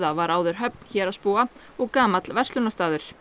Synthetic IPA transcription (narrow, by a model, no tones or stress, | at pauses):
ðavaɾaːwðʏɾ̥ɦœp̚n̥çɛːɾaðspuːa | ɔɣkaːmat̪lvɛrsʏnast̪aːðʏɾ̥